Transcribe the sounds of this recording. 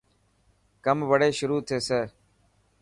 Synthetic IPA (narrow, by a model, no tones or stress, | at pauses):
kəmʋəɽeːʃʊɾuːt̪ʰeːseː